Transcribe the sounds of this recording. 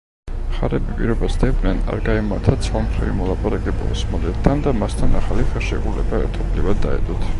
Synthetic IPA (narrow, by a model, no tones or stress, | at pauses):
χaɾɛbipʼiɾɔbasd̪ɛbnɛna̰ɾɡaɛmaɾt̪ʰat̪sʰwamχɾɛvimɔlˠapʼaɾakʼɛbɔ̰smɔlɛt̪̚ʰːand̪amast̪ʰanaχaliχɛlˠʃɛkʼulɛ̰baɛ̰ɾt̪ʰɔblivad̪ːaɛ̰d̪ʼɔt̪ʰ